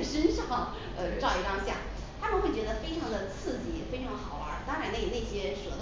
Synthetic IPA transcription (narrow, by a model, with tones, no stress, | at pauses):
ʂə˥nʂɑ˥˩ŋ | ə˧ʈ͡ʂɑ˥˩ʊi˧˥ʈ͡ʂɑ˥ŋɕjɑ̰˥˩ | t̪ʰa˥mə˨nxwe˥˩ɪt͡ɕɥɛ˧˥d̪ə˧fe˥ɪʈ͡ʂʰɑ˧˥ŋd̪ə˧t͡sʰɹ̩˥˩t͡ɕi˧˥fe˥ɪʈ͡ʂʰɑ˧˥ŋxɑ˨˩˦ʊa̰˧˥t̪ɑ˥ŋɻa˧˥ne˥˩ne˥˩ɪɕjɛ˥ʂwɔ˨˩˥d̪